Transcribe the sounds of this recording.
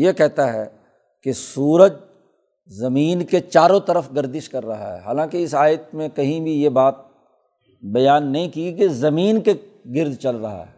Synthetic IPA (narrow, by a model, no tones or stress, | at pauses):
jekɛɦt̪aɦɛ̰ | kesuːɾəd͡ʒ | zɐmiːnket͡ʃaːɾõt̪ɐɾəfɡɐɾd̪ɪʃkɐɾːɐɦa̰ɦɛ̰ːɦaːlãːkeɪsaːjət̪̚mẽkɐɦĩbʱijebaːt̪̚ | bɐjaːnːɐɦĩkiikezɐmiːnke | ɡɪɾd̪ʱt͡ʃɐlɾɐɦa̰ɦɛ̰ː